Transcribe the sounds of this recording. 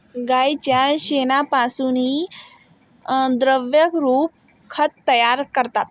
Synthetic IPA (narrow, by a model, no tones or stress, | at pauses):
ɡajt͡ɕjaɕenapasuːni | d̪ɾəʋjəkɾuːp̚ | kʰət̪t̪ːəjaɾkəɾt̪at̪̚